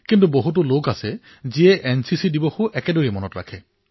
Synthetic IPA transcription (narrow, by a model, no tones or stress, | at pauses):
kint̬uboɦut̬ulokasɛ | ziɛʔɛnsisidibɔxuʔɛkedoɹimɔnɔtɹa̰kʰɛ